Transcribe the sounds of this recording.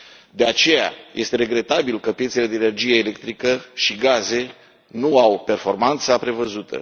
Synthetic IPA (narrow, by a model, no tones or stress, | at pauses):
d̪e̞at͡ʃe̞ja̰jʔe̞st̪e̞ɾe̞ɡɾe̞t̪abilkəpjet̪sele̞d̪eːnerd͡ʒije̞ːle̞k̚t̪ɾikəʃiɡaze̞ | nuawpe̞rfo̞rmant̪sapɾe̞vəzut̪ʰə̰